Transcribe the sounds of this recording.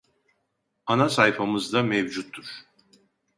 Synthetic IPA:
anasajfamɯzd̪amevd͡ʒut̪ʰːuɾ̥

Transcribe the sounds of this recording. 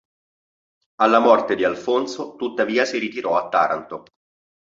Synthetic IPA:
alːamɔrt̪ed̪ialfont̪sot̪ut̪ːaviːasiɾit̪iɾɔat̪ːa̰ːɾa̰nt̪o

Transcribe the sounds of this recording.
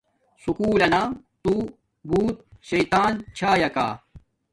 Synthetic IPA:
sukuːlɐnaː | t̪u | buːt̪̚ɕɐjt̪aːnt͡ɕʰaːjɐka̰ː

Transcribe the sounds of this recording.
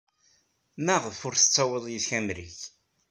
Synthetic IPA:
mæʁəfʊɾθə̥t͡sːæwəðˤjiθçæmɾḭç

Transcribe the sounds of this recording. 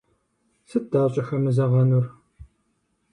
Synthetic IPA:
sɨd̥aːɕʼɪxɐmɨzɐʁɐnur

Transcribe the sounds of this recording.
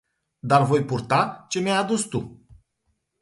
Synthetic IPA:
d̪arvo̞jpurt̪at͡ʃe̞mʲjajad̪ust̪u

